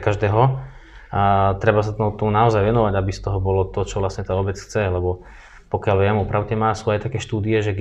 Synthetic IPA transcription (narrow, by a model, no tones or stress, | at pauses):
kaʒd̪ɛːɦɔ | t̪ɾɛbasat̪ɔt̪ɔmunaɔzajʋɛnɔʋaɟabist̪ɔɦɔbɔlɔt̪ɔt͡ʃɔʋlasɲɛt̪aːɔbɛt͡sxt͡sɛlɛbɔ | pɔkɪalʋɪɛmɔpɾaʊcɛmasuːajt̪akɛːʃt̪uːd̪iɛʒɛɡ